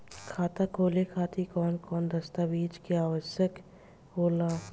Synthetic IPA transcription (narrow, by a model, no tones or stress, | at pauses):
kʰaːt̪akʰoːlekʰaːt̪ikɔːnkɔːnd̪ɐst̪aʋiːd͡ʒkeaːʋəʃjək | ɦoːlaː